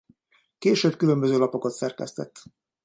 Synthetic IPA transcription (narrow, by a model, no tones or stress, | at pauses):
keːʃøːbkylømbøzøːlɒpo̞ko̞t̪sɛrkɛst̪ɛ̰t̪ː